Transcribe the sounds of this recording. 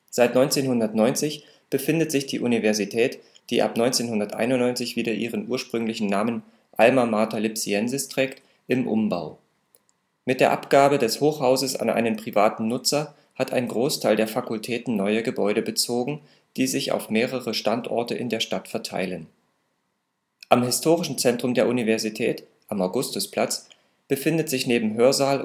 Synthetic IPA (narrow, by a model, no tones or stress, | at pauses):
z̥aɪtnɔʏnt͡seːnɦʊndɐtnɔʏnt͡sɪç | b̥əfɪndətz̥ɪçd̥ḭːʔunivɛɐzitʰɛːt | d̥iːʔa̰pnɔʏnt͡seːnhʊndɐtʔa̰ɪnʊnɔʏnt͡sɪçv̥iːdɾɐʔiːʁ̞ənʔuːɐʃpʁ̥ʏŋlɪçn̩naːmən | ʔalmamaːɐtalɪpsiɛnzɪstʁ̥ɛːkt | ʔɪmʔʊ̰mba̰ʊ | mɪt̚d̥eːɐʔa̰pɡ̥aːbədɛshoːxhaʊzəsa̰nʔa̰ɪnənpʁ̥ivaːtn̩nʊt͡sɐ | hatʰa̰ɪnɡʁoːstʰaɪldeːɐfakʊltʰɛːtn̩nɔʏəɡəbɔʏɾəbət͡soːɡŋ̩ | d̥iːzɪça̰ʊfmeːʁ̞əʁəʃtantʔɔ̰ɐtəʔɪ̰ndeːɐʃtatfɛɐtʰa̰ɪlən | ʔamɦɪstʰoːʁɪʃn̩t͡sɛntʁ̥ʊmdeːɐʔunivɛɐzitʰɛ̰ːt | ʔamaʊɡʊstʊspl̥at͡s | b̥əfɪndətz̥ɪçneːbm̩ɦøːɐzaːl